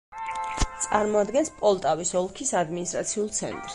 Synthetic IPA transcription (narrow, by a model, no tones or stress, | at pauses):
t̪sʼaɾmɔad̪ɡɛnspʼɔlˠt̪ʼavisɔlˠkʰisad̪minist̪ʼɾat̪sʰiulˠt̪sʰɛ̰nt̪ʼɾs